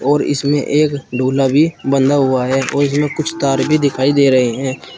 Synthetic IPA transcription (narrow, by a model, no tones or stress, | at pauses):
ɔːɾɪ̰smḛ̃ʔeːkɖʱoːlabʱibə̃nd̪aɦʊaɦɛːɔːɾɪs̬mẽkʊt͡ʃʰt̪aːɾbʱid̪ɪkʰaːid̪eːɾɐɦeɦɛ̃ː